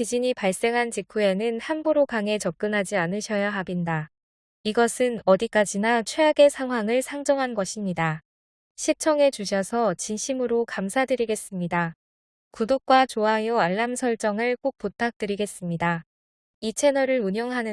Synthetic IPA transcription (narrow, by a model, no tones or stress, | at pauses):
t͡ɕid͡ʑiɲipaɭs͈e̞ŋɦant͡ɕikʰue̞nɯnhanbuɾokaŋe̞t͡ɕʌp̚k͈ɯnɦad͡ʑianɯɕʰʌjaɦabinda | iɡʌsʰɯnʌdik͈ad͡ʑinat͡ɕʰwe̞aɡe̞sʰaŋɦwaŋɯɭsʰaŋd͡ʑʌŋɦanɡʌɕʰimɲida | ɕʰit͡ɕʰʌŋe̞t͡ɕuɕ̬ʰʌsʰʌt͡ɕinɕʰimɯɾokamsʰadɯɾiɡe̞s͈ɯmɲida | kudok̚k͈wat͡ɕoɦajoaɭːamsʰʌɭt͡ɕ͈ʌŋɯɭk͈ok̚p͈otʰak̚t͈ɯɾiɡe̞s͈ɯmɲida | it͡ɕʰe̞nʌɾɯɾuɲʌŋɦanɯ